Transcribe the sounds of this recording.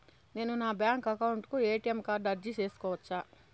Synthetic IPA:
ne̞ːnunaːbjaːŋkɐkɐwuɳʈkue̞ːʈiemkaːɾɖɐɾd͡ʒit͡ʃe̞ːsu̥kɔːʋɐt͡ʃːaː

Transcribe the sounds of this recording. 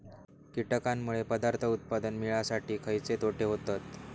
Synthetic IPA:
kiʈəkamːuɭepəd̪aɾt̪ʰəut̪̚pad̪ənmiɭasaʈʰiːkʰəjt͡set̪oʈʰeɦot̪at̪

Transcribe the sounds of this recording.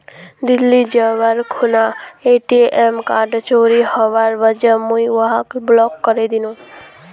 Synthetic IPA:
d̪ilːid͡ʒəʋaɾkʰunaeʈiʔemkaɾɖt͡ʃoɾihəʋaɾʋəd͡ʒəmuiʋəɦakblɔkːəɾed̪inũ

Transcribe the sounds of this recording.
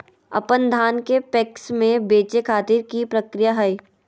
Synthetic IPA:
ɐ̰pənd̪ʱaːnkepɛksmẽbeːt͡ʃekʰaːt̪iɾkipɾɐkɾijaɦɐi

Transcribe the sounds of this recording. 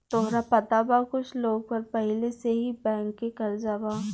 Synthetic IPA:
t̪oːɦɾapɐt̪abakʊt͡ʃʰloːɡ̚pɐɾpɛɦleseɦibɛ̃ːŋkːẽkɐɾd͡ʒabaː

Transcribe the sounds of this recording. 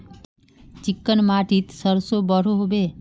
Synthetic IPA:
t͡ʃikːənmaʈit̪səɾsobəɾ̤oɦobe

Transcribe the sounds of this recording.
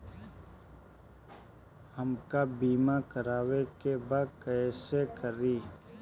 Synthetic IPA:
həmkabiːmakəɾaːwekebaːd̪̚kəsekəɾiː

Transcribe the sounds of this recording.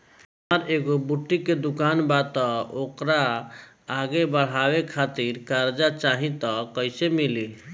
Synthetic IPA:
ɦəməɾeɡobuʈːiked̪ukanbat̪ɔokɾaː | ɡebəɽ̤ɦawekʰat̪iɾkaɾd͡ʒat͡ʃaɦĩt̪ɔkəɪsemili

